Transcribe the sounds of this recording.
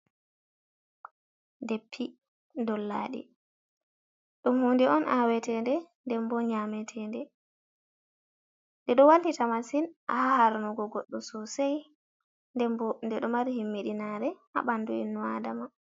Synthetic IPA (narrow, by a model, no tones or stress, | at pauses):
depʰːi | dɔlːa̰ɗḭ | ɗumhundɛɔnʔawɛtɛndɛndɛmbɔɲamɛtʰɛndɛ | ndɛɗɔwalːitamasinʔa̰hahaɾnuɡɔɡɔɗːusɔsaj | dɛndɛɗɔmaɾhimːiɗinaɾɛʔa̰ɓanːduḭnːuadama